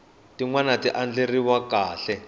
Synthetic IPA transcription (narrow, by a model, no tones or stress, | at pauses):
tiŋwanatiʔand͡ɮeriwakaːɬɛ